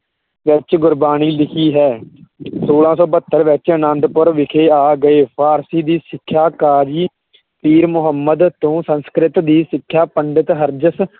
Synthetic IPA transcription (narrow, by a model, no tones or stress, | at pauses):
ʋɪt͡ʃɡʊɾbaːniːlɪkʰiːɦɛːsoːlãːsɔːbət̪ːəɾʋɪt͡ʃənə̃nɖ̪pəɾʋɪkʰeːaːɡəeːpʰaːɾsiːd̪iːsɪkʰːjaːkaːɾiː | piːɾmʊɦəmːəd̪t̪õːsə̃nskɾɪt̪d̪iːsɪkʰːjaːpəɳɖɪt̪ɦəɾd͡ʒəs